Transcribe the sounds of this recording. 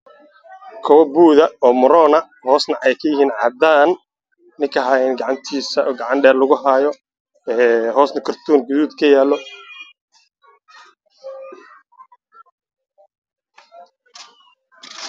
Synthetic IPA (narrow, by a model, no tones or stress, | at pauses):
kʰɔwɐbuːðɐɔːmʊɾɔːnɐ | hɔːsnɐʔɛjkʰɐjɪɦiːnʕɑd̪aːnː | ɪŋkʰɐɦaːjɛnɡɑʕɑnt̪ʰiːsɐɡɑʕɑnɖɛːrlʊɣʊɦaːjɔ | ɛːɦɔːsnɐkʰʊrt̪ʰuːnɡʊuːd̪kʰɐjaːlːɔ